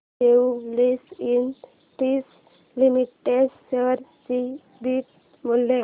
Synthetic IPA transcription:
eulisin | t̪is | limiʈːeɖsəɾsi | biʈ̚ | mulːe

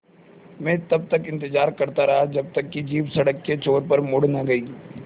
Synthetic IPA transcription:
mɛ̃ːt̪ɐb̚t̪ɐkɪ̃nt̪ɪd͡ʒaːɾkɐɾt̪aɾɐɦad͡ʒɐb̚t̪ɐkːid͡ʒiːpsɐɽəkːet͡ʃoːɾpɐɾmʊɽnãɡɐiː

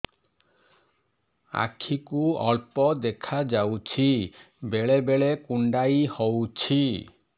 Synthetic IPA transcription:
a̰kʰikuɔɭpɔd̪ekʰad͡ʒawt͡ɕʰi | beɭebeɭekuɳɖajhowt͡ɕʰi

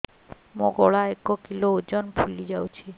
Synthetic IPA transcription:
mõɡɔɭaekɔkilood͡ʒɔnpʰulid͡ʒawt͡ʃʰi

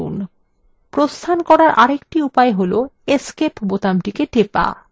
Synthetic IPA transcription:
ṵn | pɾost̪ʰankɔɾaɾʔaɾekʈiupaeɦoloeskepʰbot̪amʈikeʈepa̰

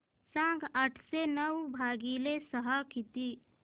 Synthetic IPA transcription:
sãːɡəʈʰsenəwbʱaːɡilesəɦakit̪iː

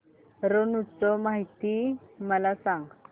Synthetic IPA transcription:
ɾonut͡sːomaɦit̪imalasaŋ

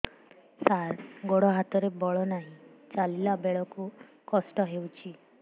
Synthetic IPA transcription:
saɾɡoɽɔɦat̪ɔɾebɔɭɔnaɦĩt͡ʃalilabeɭɔku | kɔsʈɔɦewt͡ʃʰi

